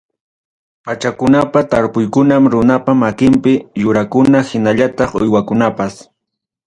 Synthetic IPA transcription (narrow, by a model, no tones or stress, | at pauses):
pat͡ʃakʊnapat̪aɾpʊjkʊnamɾʊnapamakɪmpɪjʊɾakʊnahɪnaʎat̪ɑχʊ̰jwakʊnapas